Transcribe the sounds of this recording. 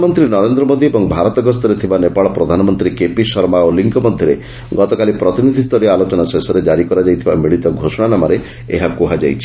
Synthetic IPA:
mɔnt̪ɾinɔɾend̪ɾɔmod̪iebɔŋbʱaɾɔt̪ɔɡɔst̪ɔɾet̪ʰibanepaɭɔpɾɔd̪ʱanɔmɔnt̪ɾikepisɔɾmaoliŋkɔmɔd̪ʱjɔɾe | ɡɔt̪ɔkalipɾɔt̪inid̪ʱist̪ʰɔɾiɔalot͡ʃɔnasesɔɾed͡ʒaɾikɔɾad͡ʒajt̪ʰibamiɭit̪ɔɡʱosɔɽ̃anamaɾe | eɦakuɦad͡ʒa̰jt͡ʃʰi̥

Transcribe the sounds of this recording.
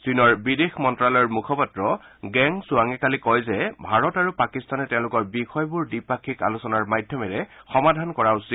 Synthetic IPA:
sinɔɹbidexmɔntɹalɔjɔɹmukʰɔpatɹɔɡɛŋsuaŋɛkalikɔjzɛbʱaɹɔtaɹupakistanɛtɛʊ̃lʊkɔɹbixɔjbuɹdipakʰːika̰lusɔnaɹmajdʱjɔmɛɹɛxɔmadʱankɔɹaʊsi

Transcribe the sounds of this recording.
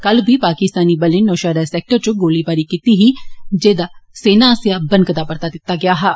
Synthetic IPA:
kəlbʱiːpaːkɪst̪aːniːbəlɪnːoːʃaːɾaːsɛːk̚ʈəɾt͡ʃʊɡoːliːbaːɾiːkiːt̪iɦiːd͡ʒeːd̪aːseːnaːsjaːbə̃nkəd̪aːpəɾt̪aːd̪ɪt̪ːaːɡɪjaːɦaː

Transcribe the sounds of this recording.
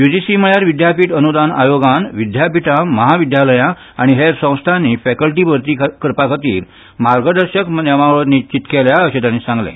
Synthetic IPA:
jud͡ʑisiməɭjaɾʋid̪japiːʈənud̪ana̰joɡanʋid̪japiʈaməɦaʋid̪jaləjã | aɽ̃iɦeɾsə̃w̃st̪ʰanːiːfɛkəlʈiːbʱəɾt̪iːkəɾpakʰat̪ḭːɾ | maɾɡəd̪əɾɕəkmeʋaɭonit͡ɕit̪keljaəɕet̪jãnːisãŋɡlḛ̃

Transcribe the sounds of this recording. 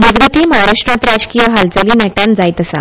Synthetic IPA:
məd͡zɡət̪iːməɦaɾaʂʈɾãt̪ɾad͡ʑkĩʋaɦalt͡səliːnɛʈãnd͡zajt̪əsa̰

